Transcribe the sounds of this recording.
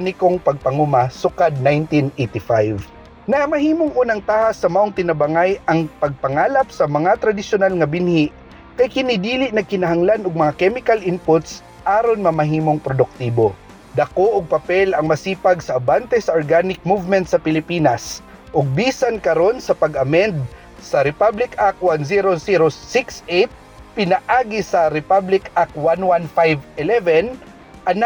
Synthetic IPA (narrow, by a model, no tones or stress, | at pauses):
nɪkoŋpɐɡ̚pɐŋumasʊkad̪̚najnt̪inejt̪ɪfajv | nɐʔɐmɐɦiːmoŋʔuːnɐŋt̪aːhɐsːɐmɐʔoŋt̪ɪnɐbɐŋajʔɐŋpɐɡ̚pɐŋaːlɐp̚sɐmɐŋat̪ɾɐd̪ɪʃʊnalŋɐbɪnhiʔ | kɐjkɪnɪd̪iːlɪʔnɐkɪnɐɦɐŋlanʊɡ̚mɐŋakɛmɪkɐlʔɪnpʊt̪s | ʔaːɾonmɐmɐɦiːmoŋpɾod̪ʊk̚t̪iːbo | d̪ɐkoʔoɡ̚pɐpɛlʔɐŋmɐsiːpɐɡsɐʔːbant̪ɛsɐʔoɹɡaːnɪk̚muvmɛnt̪̚sɐpɪlɪpiːnɐs | ʔoɡ̚biːsɐnkɐɾo̞nsɐpɐɡʔɐmɛnd̪̚ | sɐɾɛpablɪkakwansiɾosiɾosɪksʔejt̪̚ | pɪnɐʔaːɡɪsɐɾɪpablɪkak̚wanwanfajvɛlɛvɛn | ʔɐn